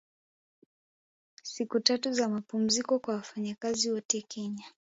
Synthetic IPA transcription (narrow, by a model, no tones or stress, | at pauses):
sikutatuzamapum̩zikɔkwawafaɲakaziwɔtɛkʰɛɲa